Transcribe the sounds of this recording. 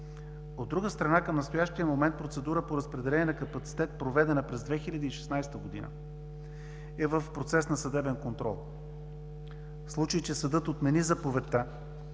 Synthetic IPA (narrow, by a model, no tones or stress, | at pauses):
od̪ːɾuɡəst̪ɾɐnakəmnɐst̪oʊjaʃt̪ijəmomɛnt̪̚pɾot̪sɛd̪uɾəpoɾəspɾɛd̪ɛlʲɛniɛnɐkɐpɐt̪si̥t̪ɛt̪̚pɾovɛd̪ɛnəpɾɛzd̪vɛxilʲɐd̪iːʃɛ̥snajst̪əɡod̪ḭnə̰ | ɛvəfpɾot̪sɛsnɐsəd̪ɛbɛnkont̪ɾɔlˠ | slˠut͡ʃəjt͡ʃɛsɐd̪ɤt̪ot̪mɛnizɐpovɛt̪ːa